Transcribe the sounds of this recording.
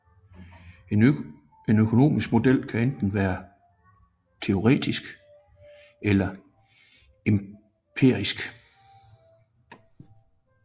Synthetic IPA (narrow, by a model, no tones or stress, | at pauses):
e | e̝nøkʰo̝no̝̰ːmisɡ̥̚mo̝d̥el̰kʰæend̥n̩ʋæːɐ | t͡sʰe̝o̝ʁɛ̰ːd̥isɡ̥ | elɐ | e̝m | pʰe̝ɐ̰isɡ̥